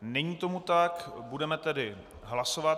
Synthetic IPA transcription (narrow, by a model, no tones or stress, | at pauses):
nɛɲiːt̪o̞mut̪akbudɛmɛt̪ɛdɪ | ɦlaso̞vat̪